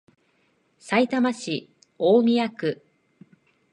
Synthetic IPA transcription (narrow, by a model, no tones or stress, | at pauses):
sait̪amaɕi | oːmʲijakɯ̟